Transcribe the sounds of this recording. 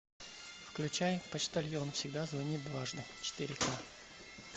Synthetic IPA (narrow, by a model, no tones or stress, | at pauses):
fklʲʉt͡ɕajpət͡ɕt̪ɐlʲjonfsʲɪɡ̚d̪azvɐnʲit̪̚bvˠaʐnət͡ɕɪ̥t̪ɪɾʲɪka